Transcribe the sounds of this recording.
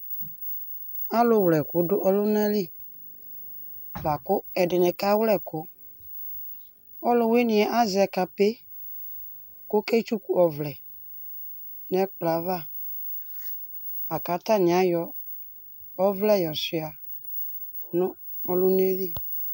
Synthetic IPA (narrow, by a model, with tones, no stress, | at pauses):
a˦lʊ˦wlɛ˨kʊ˨˦dʊ˦ʔɔ˦lʊ˦nã˦li˦˨ | va˨kʊ˦ɛ˨dɪ˨nɛ˨ka˦wlɛ˦˨kʊ˨˦ | ɔ˦lʊ˦we˦nɪ̃˨ɛ˨˦ʔa˦zɛ˨ka˨pe˦ | kʊ˦kɛ˦t͡ʃu˦ku˨ɔ˨vlɛ˨ | nɛ˦k͡pla˨˦va˦˨ | a˨ka˨˦ta˦˨ɲ˨a˨˦jɔ˦ | ɔ˦vlɛ˦˨jɔ˨sɪ˨a˨ | nʊ̃˦ | ɔ˦lʊ˦ne˦li˦˨